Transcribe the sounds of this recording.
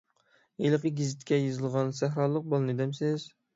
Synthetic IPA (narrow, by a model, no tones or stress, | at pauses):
elˠəqəɡʲizɪt̪kʲɛjizɨlˠʁɑnsæɦɾɑːlˠːəq̚bolˠɨnɨd̪ɛmsɪz